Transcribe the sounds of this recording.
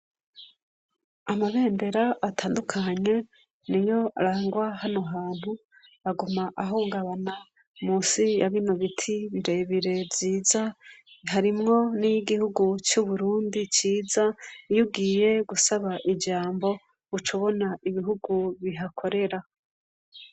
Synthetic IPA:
amaβe̞ːnde̞ɾaatʰaːndukʰaɲe̞ | nijo̞aɾaːŋɡwahano̞ɦaːn̥hu | aɡumaʔaɦuːŋɡaβana | muːsijaβinoβitʰiβiɾe̞βiɾe̞vziːzaɦaɾimŋo̞nijiɡihuɡut͡ʃuβuɾuːndit͡ʃiːzaijuɡiːje̞ɡusaβaʔid͡ʒaːmbo̞ | ut͡ʃuβo̞naʔiβiɦuɡuβiɦakʰo̞ɾe̞ɾa

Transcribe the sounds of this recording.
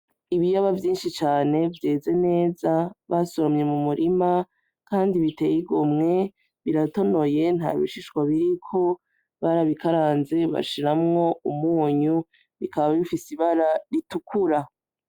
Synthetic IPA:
iβijaβavjiːnʃit͡ʃaːne̞vje̞ːze̞ne̞ːzaβasoɾomɲe̞mumuɾʔima | kaːndiβite̞jiɡomŋe̞ | βiɾato̞no̞je̞n̥ha̰βḭʃiʃwaβiɾikʰo̞ | βaɾaβikaɾaːnze̞βa̰ʃiɾamŋo̞umuːɲu | βikaβaaβifisiβaɾaɾitukʰuɾa

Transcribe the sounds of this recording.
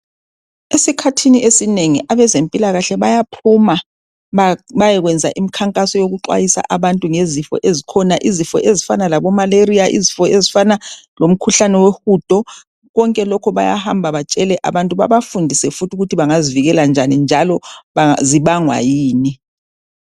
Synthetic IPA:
esikʰatʰiniesineŋiʔaβɛzempʼilaɣaɬɛβajapʰuma | βajɛɣwɛnd͡zʱaʔimikʰaŋkʼasɔjoɣuǃwa̰jisa̰ʔaβantʼuŋezifɔ̰ʔezikʰɔnaʔizifɔ̰ʔezifanalaβɔmaleɾiaʔḭzifɔezifanalom̩kʰuɬanɛwexud̥ʱʼɔ | ɣɔŋkʼɛlɔkʰɔβaja̰hambʱaβat͡ʃʼɛlɛʔa̰βantʼuβa̰βafundʱisɛfutʰuɣutʰiβaŋaziviɣɛland͡ʒʱanind͡ʒʱalɔaziβaŋwa̰jiːni

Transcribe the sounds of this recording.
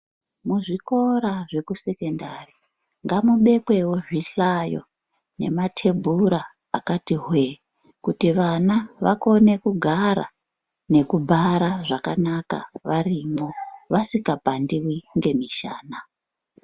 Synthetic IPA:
muʐiko̞ɾaʐe̞kuse̞ke̞ndari | ŋɡamuɓe̞kwe̞wo̞ʐiɬajo̞̰ | ne̞̰matʰe̞bʱuɾa | a̰katiɦwe | kutiʋanaʋa̰ko̞ne̞kuɡʱaɾa̰ | ne̞kubʱaɾaʐakanaka̰ʋarimo̞ʋasikapandiwiŋɡe̞miʃa̰ːna

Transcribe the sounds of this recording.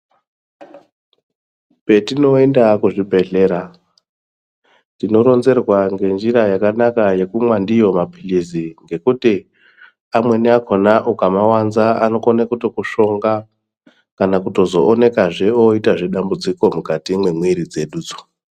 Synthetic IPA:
pe̞tino̞endakuʐibʱe̞ɮe̞ɾa | tino̞ɾo̞nze̞rwaŋɡe̞nd͡ʒiɾajakanakaje̞kumwandijo̞mapʰiliziŋɡe̞kuti | amwe̞niakʰonaʔukamawanzaa̰no̞konakuto̞kuʃo̞ŋɡa | kanakuto̞zo̞ʔːne̞kaʐe̞oitaʐe̞ɗambud͡ziko̞mukatimwemwiɾid͡ze̞ɗuːd͡zo̥

